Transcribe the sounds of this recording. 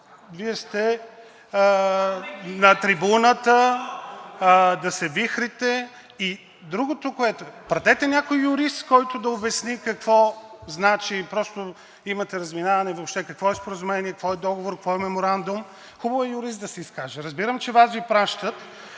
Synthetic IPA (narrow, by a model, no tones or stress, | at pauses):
viɛst̪ɛ | nɐt̪ɾibunət̪ə | d̪ɐsɛvixɾit̪ɛ | i | d̪ɾuɡot̪okoɛt̪opɾɐt̪ɛt̪ɛnʲakojːʊɾist̪kɔjt̪ʊd̪ɐobɛsnikɐkvɔznat͡ʃipɾɔst̪o | imɐt̪ɛɾɐzminavɐnɛvopʃt̪ɛkɐkvɔɛspoɾəzʊmɛniɛkkvɔɛd̪ɔɡovoɾkəkvɔɛmɛmoɾand̪ʊm | xubəvoɛjʊɾist̪̚d̪ɐsɛiskaʒɛɾɐzbiɾəmt͡ʃɛvasvipɾaʃt̪ət̪